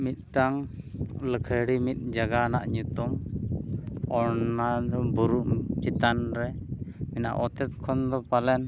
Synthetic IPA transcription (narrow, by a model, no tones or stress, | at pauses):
mit̪̚ˀʈaŋləkʰəjɽimit̪̚ˀd͡ʒaɡana̰ʔɲut̪um | ɔɾnad̪ɔbuɾuʔkit̪anɾɛmina̰ʔɔt̪ɛt̪̚kʰɔnd̪ɔpalɛn